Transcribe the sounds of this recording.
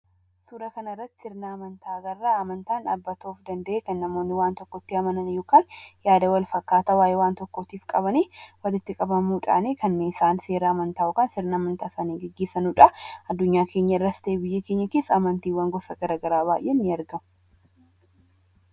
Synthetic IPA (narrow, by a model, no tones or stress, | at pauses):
suːɾɐkɐnɐɪrːɐt̪ːɪ̥sɪɾnaːmɐnt̪ʰaːɡɐrːaɐmɐnt̪aːna̰bːɐt̪ʰoːfd̪ɐnd̪ɐʔeːkɐnːɐmoːnːɪwaːnt̪ɔkːɔt̪ːiɐmɐnɐnjoːkaːnjaːd̪ɐwɐlfɐkːaːt̪ɐwaːjewaːnt̪ɔkːɔt̪iːfkʼɐβɐniːwɐlɪt̪ːɪkʼɐbɐmuːᶑa̰ːniːkɐnːeːɪsaːnse̞ːɾaːmɐnt̪aːʔʊkaːnsɪɾnaːmɐnt̪aːsaːniːɡɛɡːeːsɐnuːᶑɐɐd̪ːʊɲːaːkʰe̞ːɲːɐɪrːɐst̪eːbɪjːɐkeːɲːɐkeːsɐmɐnt̪iːwɐŋɡɔsɐɡɐɾaːɡɐɾaːbaːjʔeːnːɪɐɾɡɐmʊ